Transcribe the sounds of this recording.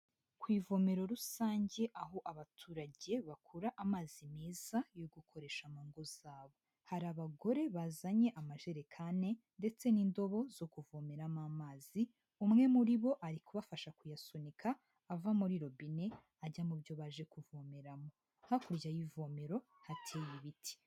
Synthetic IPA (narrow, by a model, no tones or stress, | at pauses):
kwiːvo̞me̞ɾo̞ɾusaːɲɟe̞ʔaɦo̞ʔaβatʰuːɾaɟe̞βakʰuɾaʔamaːzimeːz̥ajo̞ɡukʰo̞ɾe̞ʃamaŋɡoz̥aːβo̞ | haɾaβaɡo̞ɾe̞βaːzaɲe̞ʔamaʒe̞ɾekʰane̞ | nde̞t͡se̞nindo̞βo̞zo̞kuvomeɾamamaːzi | umŋe̞muɾiβo̞ʔaɾikuβafaʃakujasonikʰaː | vamuɾiɾo̞bine̞ | aɟamubjo̞βaʒe̞kuvomeɾamo̞ | hakuɾɟajivomeɾo̞ | hatʰeːjiβiti̥